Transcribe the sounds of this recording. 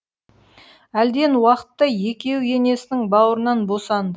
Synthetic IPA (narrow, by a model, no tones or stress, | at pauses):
æld̪e̞nwɑqə̥t̪ːəje̞kʲe̞wje̞ne̞sɪnɪŋbɑwəɾənɑnbo̞sɑnd̪ə